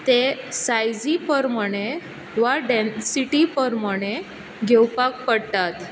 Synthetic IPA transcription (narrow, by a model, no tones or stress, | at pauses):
t̪esajd͡zipəɾməɽ̃e | ʋaɖensiʈipəɾməɽ̃e | ɡʱewpakpəɽt̪at̪